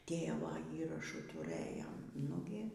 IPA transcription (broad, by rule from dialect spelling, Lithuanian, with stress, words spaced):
ˈtʲeːʋoː ˈiːrɐʃuː tʊˈrɘjoːm ˈnʊɡʲɪ